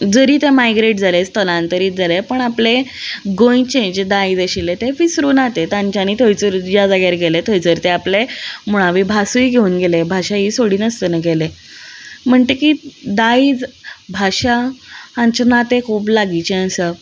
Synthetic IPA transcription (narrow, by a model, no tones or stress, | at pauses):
d͡zəɾiːt̪emajɡɾeʈ̚d͡zalest̪ʰəlãnt̪əɾiːt̪̚d͡zalepəɳapleɡõit͡ɕẽɲd͡ʑd̪aid͡zəɕilet̪efisɾuːnat̪et̪ãɲt͡ɕaniːt̪ʰojt͡səɾjad͡zaɡjaɾɡelet̪ʰojt͡səɾt̪eaplemuɭ̃aʋibʱasuiɡʱeuːnɡelebʱaɕaɦiːsoɽiːnəst̪ənəɡele | m̤əɳt̪ekiːd̪aiːd͡zbʱaɕaːɲt͡ɕənat̪ekʰuːplaɡit͡ɕeə̃sə